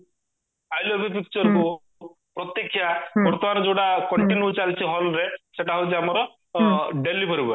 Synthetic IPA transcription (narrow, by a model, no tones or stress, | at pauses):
ajlɔbʱipik̚t͡ʃɔɾku | pɾɔt̪jekʰːjabɔɾt̪ɔmanɔd͡ʒoɽakɔɳʈinjut͡ʃalt͡ʃʰiɦɔlɾeseʈaɦojt͡ʃiamɔɾɔ | ɖelipʰɔɾibɔ